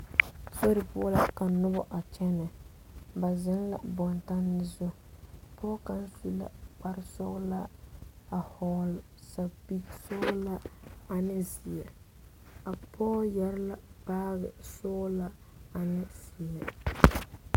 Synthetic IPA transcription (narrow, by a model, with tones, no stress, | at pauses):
so˦ɾɪ˨pʊ˦ɔ˦la˦ka˨nʊ˦bɔ˦ʔa˨t͡ʃɛ˦nɨ˨ | ba˨zɪ˦n˦la̰˨bɔ˨nta˦nːɪ˦zʊ˦ | pɔː˦ka˦n˦su˦la̰˦k͡pa˦ɾsʊ˦ɣla˦a˨hɔː˨lsa˨bi˦ksʊ˦ɣla˦a˨nɪ˦zi˨ɛ˨ | a˨pʰɔː˦jɛ˦ɾla˦paː˦ɣɪ̰˨sʊ˦ɣla˦ | a˨nɪ˦si˨ɛ˨